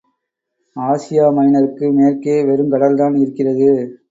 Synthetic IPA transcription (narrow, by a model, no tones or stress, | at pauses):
aːsɪjaːmɐɪnɐɾɯkːɯmeːrkeːʋɛɾɯmkɐɽɐld̪aːnɪɾɯkːɪrɐðɯ